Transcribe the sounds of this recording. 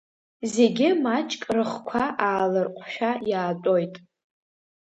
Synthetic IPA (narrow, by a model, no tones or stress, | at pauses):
ze̞ɡʲɪmat͡ʃʼkʼrɨχkʷʰaʔaːlɨrqʷʼʰʃᶣajaːtʼo̞jtʼ